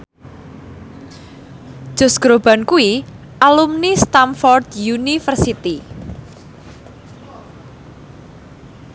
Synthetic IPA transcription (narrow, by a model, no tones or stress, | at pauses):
ʒ̥ʊ̤sɡ̥ɾob̥a̤nkui | ʔalumnist̪amfɔrd̪junifərsit̪i